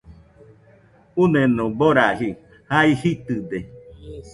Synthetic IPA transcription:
unenõboɾaɦi | haihit̪ɨd̪e

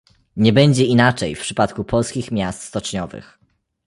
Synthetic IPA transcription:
ɲɛbɛɲd͡ʑɛinat͡ʂɛjfpʂɘpat̪kupʰɔlskʲixmʲjast̪st̪ɔt͡ʂɲɔvɘ̰x

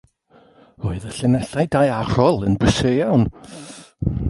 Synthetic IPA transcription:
oɨðəɬɪnɛɬajdajarɔlˠənbəsejawn

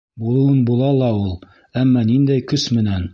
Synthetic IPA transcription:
bulˠuwɤnbulˠɑlˠɑulˠ | æmːɑnind̪æjkɵsmɘ̆næn

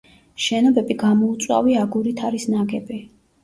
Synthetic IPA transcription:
ʃɛnɔbɛbiɡamɔut̪sʼwa̰viaɡuɾit̪ʰaɾisnaɡɛbi

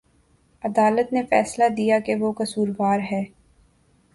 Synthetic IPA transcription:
ɐd̪aːlət̪nefɛːslad̪ijakeʋokɐsuːɾʋaːɾɦɛː

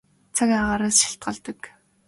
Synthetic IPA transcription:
t͡sʰakʲaʁaːɾaːsʃi̥ɬt̪̚ɢə̆ɮt̪ə̆k

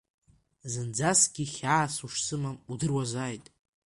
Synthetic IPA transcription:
zɨnd͡zasɡʲiχʲaːsuʂsɨmamudɨrwazaːjtʼ

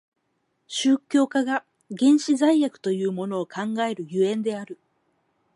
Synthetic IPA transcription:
ɕɨːkʲo̞ːkaɡa | ɡẽ̞ɰ̃ɕizaijakɯ̟̥t̪o̞jɯ̟ːmo̞no̞ːkãŋɡae̞ɾɯ̟jɯ̟ẽ̞nd̪e̞aɾɯ̟

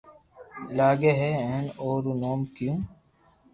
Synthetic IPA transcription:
laːɡeɦeẽːnoːɾunoːmkijũː

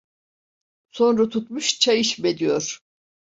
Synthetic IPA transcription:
so̞nɾat̪ʰut̪muʃt͡ʃʰajiʃmed̪ijoɾ̥

